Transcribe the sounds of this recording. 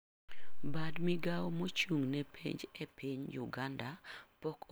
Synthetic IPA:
badmiɡawmot͡ʃuŋnɛpʰḭɲd͡ʒɛpiɲjʊɡandapɔkʰ

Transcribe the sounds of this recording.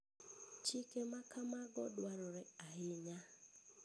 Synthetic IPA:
t͡ʃɪkemakamaɡɔdwaɾɔɾɛaɪɲa

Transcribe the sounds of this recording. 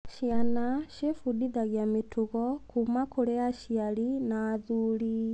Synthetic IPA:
ʃianaʃefudiðaɣjametuɣɔkumakoɾeaʃialinaːðuli

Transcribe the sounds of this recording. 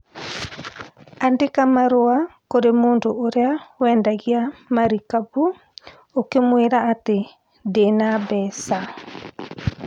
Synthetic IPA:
andekamaɾoakoɾemoːndoːɾeawɛndaɣiamaɾikabu | okemweɾaːte | denabɛsa

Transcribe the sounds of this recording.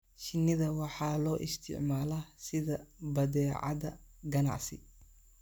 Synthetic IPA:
ʃɪnɪðɐwɑħɑːlɔːʔɪst̪ʰɪ̰ʕmaːlɐsɪðɐbɐðɛːʕɑ̰ðɐɡɐnɑ̰ʕsɪ̰

